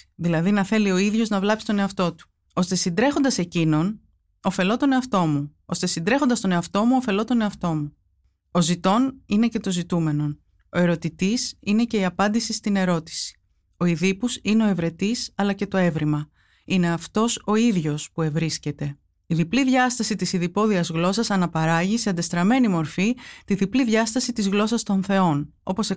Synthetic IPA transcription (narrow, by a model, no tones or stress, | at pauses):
ðilɐðinɐθe̞lio̞iðʝo̞znɐvlɐpsi̥t̪o̞ne̞ɐft̪o̞t̪u̥ | o̞st̪e̞sind̪ɾe̞xo̞nd̪ɐse̞cino̞n | o̞fe̞lo̞t̪o̞ne̞ɐft̪o̞muo̞st̪esind̪ɾe̞xo̞nd̪ɐst̪o̞ne̞ɐft̪o̞muo̞fe̞lo̞t̪o̞ne̞ɐft̪o̞mu | o̞zit̪o̞nine̞ce̞t̪o̞zit̪ume̞no̞n | o̞e̞ɾo̞t̪it̪isine̞ce̞iɐpɐnd̪isist̪ine̞ɾo̞t̪i̥si̥ | o̞iðipusineo̞e̞vɾe̞t̪isɐlɐce̞t̪o̞e̞vɾimɐ | ine̞ɐft̪o̞so̞iðʝo̞spue̞vɾisce̞t̪e̞ | iðipliðʝɐst̪ɐsit̪isiðipo̞ðiɐzɣlo̞sɐsɐnɐpɐɾɐʝiseɐnd̪e̞st̪ɾɐme̞nimo̞ɾfit̪iðipliðʝɐst̪ɐsit̪izɣlo̞sɐst̪o̞nθe̞o̞n | o̞po̞se